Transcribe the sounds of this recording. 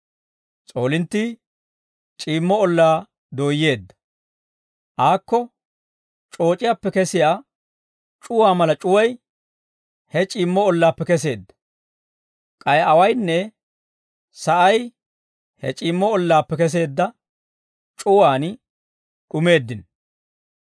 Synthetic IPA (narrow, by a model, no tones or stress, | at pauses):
t͡sʼo̞ːlɪnt̪ːi | t͡ʃʼiːmːɔɔlːaː | d̪o̞ːjːe̞ːd̪ːɐ̥ | ʔaːkːɔ | t͡ʃʼo̞ːt͡ʃʼɪjaːpːɛkɛsɪjaː | t͡ʃʼʊwaːmɐlɐt͡ʃʼʊwɐj | hɛt͡ʃʼiːmːɔɔlːaːpːɛkɛse̞ːd̪ːɐ̥ | kʼɐjɐwɐjnːɛ | sɐʔɐj | hɛ̰t͡ʃʼiːmːɔɔlːaːpːɛkɛs̬e̞ːd̪ːɐ | t͡ʃʼʊwaːn | ɗʊme̞ːd̪ːɪn